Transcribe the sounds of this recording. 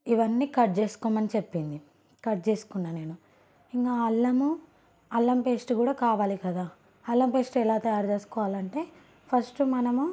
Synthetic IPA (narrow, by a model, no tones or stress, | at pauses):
iʋɐnːiːkɐʈ̚t͡ʃe̞ːsu̥kɔːmɐnit͡ʃepːind̪i | kɐʈ̚t͡ʃe̞ːsu̥kunːaːne̞ːnu | iŋkaːɐlːɐmu | ɐlːɐmpe̞ːsʈkuːɽaːkaːʋaːlikɐd̪aː | ɐlːɐmpe̞ːsʈɛlaːt̪ɐjaːɾd͡ʒe̞ːsu̥kɔːʋaːlɐɳʈe̞ː | pʰɐɾsʈumɐnɐmu